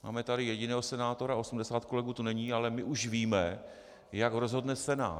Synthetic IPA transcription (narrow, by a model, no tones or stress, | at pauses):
ma̰ːmɛt̪adɪjɛɟɪnɛːɦo̞sɛnaːt̪o̞ɾao̞sumdɛsaːt̪ko̞lɛɡuːt̪unɛɲiːalɛmɪʔuʃviːmɛ | jakɾozɦo̞dnɛsɛna̰ː